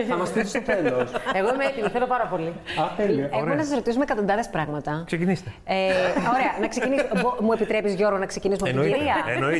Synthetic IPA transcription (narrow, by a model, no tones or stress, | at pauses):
ɐmɐst̪isost̪oθeloseɣoimeet̪imiθelo̞pɐɾɐpo̞liɐθeliemnɐs̬ɐsɾo̞t̪isumekɐt̪ond̪ɐðespɾɐɣmɐt̪ɐksecinist̪eeoɾeɐnɐksecinisbomuepit̪ɾe̞pizʝo̞ɾɣonɐkse̞cinis̬umoiɾiɐno